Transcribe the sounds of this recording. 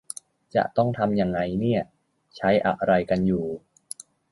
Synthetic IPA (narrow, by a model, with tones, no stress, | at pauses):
t͡ɕa̰˨˩ʔt̪ɔ˥˩ŋt̪ʰa˧mja˧ŋːa˧jni˥˩ɐ | t͡ɕʰa˦˥jʔa̰˨˧ʔɾa˧jka˧njuː˨˩